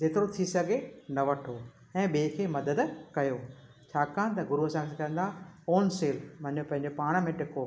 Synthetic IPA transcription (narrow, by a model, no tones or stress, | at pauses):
d͡ʑeːt̪ɪɾot̪ʰisɐɡʱenɐʋɐʈʰo | ɛ̃ːɓikʰeːmɐd̪əd̪kɐjoː | t͡ɕʰaːkʰaːnt̪ɐɡʊɾuɐsãkʰekɐə̃nd̪aoːnseːlmɐ̃ɪ̃ɲjopɐ̃ɦɪ̃ɲ̆d͡ʑopaːɽ̃mẽʈɪko